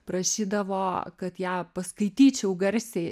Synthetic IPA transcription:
pɾɐʃʲiːd̪ɐʋoːkɐt̪jæːpɐskɐɪt̪ʲiːt͡ʃʲɛʊɡɐɾʲsʲeː

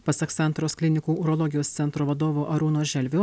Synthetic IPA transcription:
pɐsɐksɐnt̪ɾoːsklʲɪnʲɪkuːʊɾɔːlˠɔɡʲɪjoːssʲɛnt̪ɾoːʋɐd̪oːʋoːʔɐɾuːnoːʒʲɛlʲʋʲoː

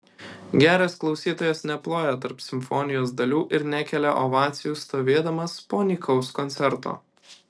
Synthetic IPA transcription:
ɡʲæːɾʲɛsklˠɒʊsʲiːt̪oːjɛsnʲɛplˠoːjɛt̪ɐɾpsʲɪmʲfɔːnʲɪjoːs̬d̪ɐlʲuːʔɪɾnʲækʲɛlʲɛʔoʋɑːt̪sʲɪjuːst̪oːʋʲeːd̪ɐmɐspoːnʲiːkʰɐʊskɔnʲt̪ʲɛɾt̪o̰ː

